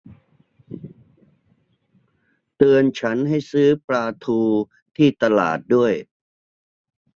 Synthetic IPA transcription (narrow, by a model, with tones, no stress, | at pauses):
t̪ɯ˧ənt͡ɕʰa˦˥nɦa˥˩jsɯː˦˥pɾaː˧t̪ʰuː˧ | t̪ʰiː˥˩t̪a˧la̰ː˨˩t̪̚du˥˩əj